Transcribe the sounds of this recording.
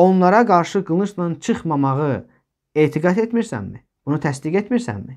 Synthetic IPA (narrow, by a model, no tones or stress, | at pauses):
o̞nlˠɑɾɑɡɑɾʃɯɡɯlˠnɯɾsnɑnt͡ʃʰɯχmɑmɑʁɯ | e̞ːt̪ʰiɡɑt̪et̪miɾsæ̰mmḭ | b̥unut̪ʰæsd̪iɡet̪miɾsæ̰mmi